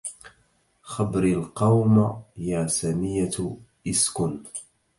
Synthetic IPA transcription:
xabɾɪlqɑwmjaːsamɪja | ʔɪskʊn

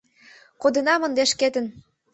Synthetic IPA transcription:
kod̪ə̆nɑmə̆nd̪eʃket̪ə̆n

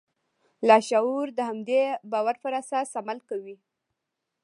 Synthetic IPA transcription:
lɑʃauɾd̪əhamd̪ebɑwaɾpəɾasasamalkawi

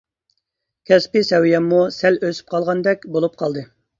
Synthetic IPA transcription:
kʲʰɛspɪsɛwijɛmːusɛløsy̥p̚qʰɑlˠʁɑnd̪ɛkʲbolˠup̚qʰɑlˠd̪ɨ

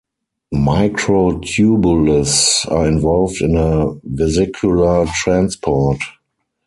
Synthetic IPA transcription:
maɪkʰɹotʰjubulɪsa̰ːɪ̃nvɔlvdɪ̃nəvɛzɪkʰjula˞tɹãnspʰɔt

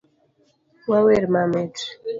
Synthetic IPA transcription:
waweɾmamet

